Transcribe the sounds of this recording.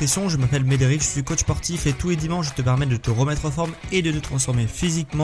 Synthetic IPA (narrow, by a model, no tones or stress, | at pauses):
esjɔ̃ʒəmapɛlmed̪eʁikʒəsɥikot͡ʃspɔʁt̪ifet̪uled̪imɑ̃ʃt̪əpɛʁmɛd̪ət̪əʁəmɛt̪χɑ̃fɔʁmed̪ət̪ət̪χɑ̃sfɔʁmefizikmɑ̃